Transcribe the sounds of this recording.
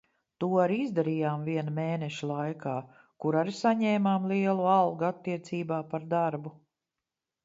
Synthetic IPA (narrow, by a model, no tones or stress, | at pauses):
t̪uɔaɾizd̪aɾiːjaːmviɛnumeːnɛʃilˠajkaː | kuɾaɾsaɲɛːmaːmlˠiɛlˠualˠɡuat̪ːiɛt̪siːbaːpaɾd̪aɾbu